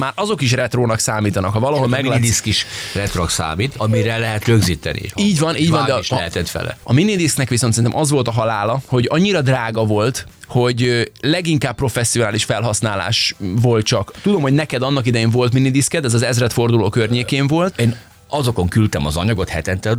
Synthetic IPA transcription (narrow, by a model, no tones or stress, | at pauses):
maːɾʔɒzo̞kiʃ̬rɛt̪roːnɒksaːmiːt̪ɒnɒkhɒvɒlɒɦomɛɡlad̪iskiʃrɛt̪roksa̰ːmiːt̪ɒmiɾɛlːɛɦɛt̪røɡziːt̪ɛ̰nḭiːɟvɒnʔiːɟvɒnd̪ɛʃɛhɛt̪ɛt̪fɛ̰lɛ̰ɒminid̪isknɛkʋisonsɛinɛ̰mʔɒzʋo̞lt̪ɒɦɒlaːlɒho̞ɟɒɲːiɾɒd̪raːɡɒvo̞lt̪ho̞ɟlɛɡiŋkaːppːro̞fɛsːionaːliʃfɛlɦɒsnaːla̰ːʃʋo̞lt̪̚t͡ʃɒkt̪ud̪o̞mhoɟnɛkɛd̪ɒnːɒkid̪ɛjeːɱvo̞lt̪minid̪iskɛd̪ɛzɒzɛzrɛt̪fo̞rd̪uloːkørɲeːkeːɱvo̞lt̪eːn | ɒzo̞ko̞ŋkylt̪ɛmɒzɒɲɒɡo̞t̪hɛt̪ɛnt̪ɛl